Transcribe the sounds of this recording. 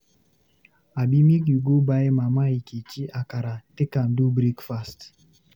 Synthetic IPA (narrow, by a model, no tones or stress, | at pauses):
abimikiɡobaɪmamaiket͡ʃiʔakaɾatekan̩dubɾekfast